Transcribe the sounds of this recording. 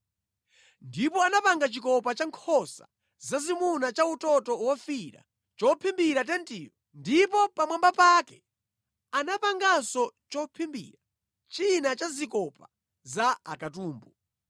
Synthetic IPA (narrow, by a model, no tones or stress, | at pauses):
ndipɔanapaŋɡat͡ʃikɔpat͡ʃaŋkʰɔsa̰ | zazimunat͡ʃautɔtɔwɔfiɾa̰ | t͡ʃɔpʰimbiɾat̬ɛntḭːwɔ | ndipɔpamwambapakɛ | anapaŋɡasɔt͡ʃɔpʰimbḭɾa | t͡ʃinat͡ʃazikɔpa | zaakatuːmbu